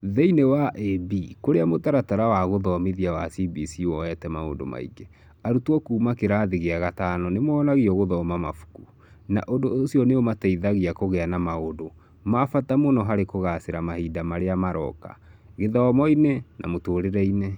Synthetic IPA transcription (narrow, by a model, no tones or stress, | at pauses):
ðɛinewaʔebikoɾeamotaɾataɾawaɣoðɔmeðiawasibisiwɔɛtɛmao̰ndo̰ma̰ḭɡe | aɾutwɔkuːmakeɾaðiɣeaɣatanɔnemɔːnaɣiɔɣoðɔmamafu̥ku | na̰ʔondoːsiɔneomatɛiðaɣiakoɣɛanamaodo | mafatamonɔɦaɾekoɣaseɾamahidamaɾeamaɾɔ̰ka̰ɣeðɔmɔinɛnʔa̰motoɾeɾɛine